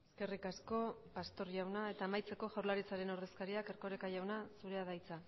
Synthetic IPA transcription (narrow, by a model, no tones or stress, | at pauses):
e̞ske̞rikasko̞past̪o̞ɾʝawnae̞t̪aːmajt͡se̞ko̞ʝawɾlaɾit͡saɾe̞no̞ɾðe̞skaɾiake̞ɾko̞ɾekaʝawnasuɾe̞aðajt͡sa